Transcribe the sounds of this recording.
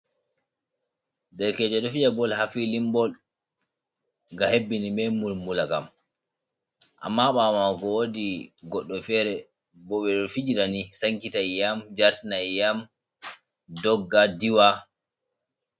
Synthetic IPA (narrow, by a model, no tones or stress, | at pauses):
dɛɾkɛd͡ʒɔɗɔfid͡ʒabɔlhafilimbɔl | ɡahebːinimɛmulmulaka̰m | ʔa̰mːaɓamakɔwodiɡɔɗːɔfɛɾɛ | bɔɓɛɗɔfid͡ʒiɾanisaŋkitajjamd͡ʒaɾtinajjam | dɔɡːadiwa